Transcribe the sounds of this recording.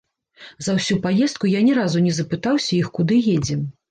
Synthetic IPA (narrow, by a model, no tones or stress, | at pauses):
zɐwsʲupajɛst̪̚kujanʲɛɾazunʲɛzɐpɨt̪awsʲɐixkud̪ɨjed͡zʲɛm